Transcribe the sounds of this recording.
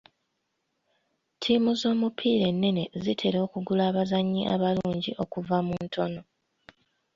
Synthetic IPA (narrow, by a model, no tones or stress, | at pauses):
tʰiːmuzo̞ːmupʰiːɾe̞nːe̞ne̞zitʰe̞ɾo̞ːkuɡulaːβazaɲːiʔa̰βaluːɲɟiʔo̞kuvamuntʰo̞no̞